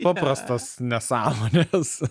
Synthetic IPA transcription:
pɐpɾɐst̪ɐsnʲɛsɑːmoːnʲes

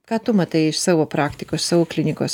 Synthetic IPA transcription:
kɑːt̪ʊmɐt̪ɐɪɪʃsɑːʋoːpɾɑːkt̪ʲɪkoːssɑːʋoːklʲɪnʲɪkoːs

